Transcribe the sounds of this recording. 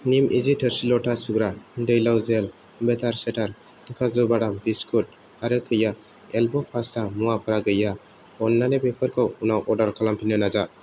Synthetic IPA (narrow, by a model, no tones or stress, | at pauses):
nimʔid͡ʒitʰəɾsilɔʈʰasuɡɾadɯjlawzel | bet̪ʰaɾseʈʰaɾ | kʰazɔbaɽambiskʰut̚ | aɾɯkʰɯja | elbɔpʰasamuwapʰɯɾaɡɯja | ɔnːanepepʰəɾkʰɔwunawʔɔdaɾkʰalampʰinɯnad͡ʒa